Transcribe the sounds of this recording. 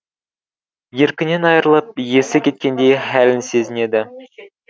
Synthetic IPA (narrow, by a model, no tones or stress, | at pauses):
jeɾkʲɪne̞nɑjəɾəlˠɤp̚jesɪkʲe̞t̪̚kʲe̞nd̪e̞jχælɪnse̞zɪne̞d̪ɪ